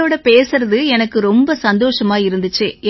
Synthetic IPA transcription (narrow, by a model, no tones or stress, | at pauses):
oːɽɐpeːsɯɾɐðɯɛnɐkːɯɾɔmbɐsɐnd̪oːʂɐmaːɪɾɯnd̪ɯt͡ʃːeː